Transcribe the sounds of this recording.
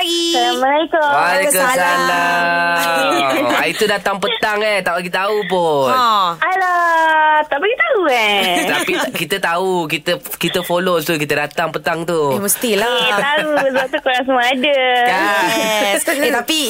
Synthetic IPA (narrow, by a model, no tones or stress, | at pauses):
ɡisaɾaməlaikoakəsanla | ait̪udat̪aŋpət̪aŋɛt̪aukit̪t̪aupʊnala | t̪apikit̪auɛt̪apikit̪ət̪aukit̪əkit̪əfolot̪uk̬it̪ədat̪aŋpət̪aŋt̪ueməst̪ilat̪auzot̪ukoɾaŋs̬əmaadəja | set̪api